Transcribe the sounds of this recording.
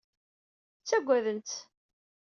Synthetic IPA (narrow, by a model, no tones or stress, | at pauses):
t͡sːæɡʷːæðənt̪